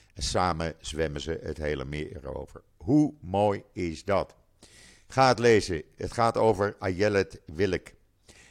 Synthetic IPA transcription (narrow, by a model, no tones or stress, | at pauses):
ɛnsaːməz̥ʋɛmənzəə̰tɦejlə̰mɪ̰ːɛ̰ro̰wvə̰ɹ | ɦumoːjɪzdɑt | χaːətlejzəɦətχaːtowvəɹajɛlɛtʋɪlək